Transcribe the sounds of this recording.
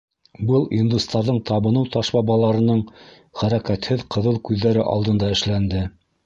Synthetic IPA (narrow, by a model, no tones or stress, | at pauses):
bɤlˠind̪ust̪ɑɾðɤɴt̪ɑβɤ̆nɤwt̪ɑʃbɑbɑlˠɑɾɤ̆nɤɴ | χæɾækæt̪hɘðqɤ̆ðɤlˠkʉðːæɾɘʔɑ̰lˠd̪ɤ̆nd̪ɑɘ̆ʃlænd̪ɘ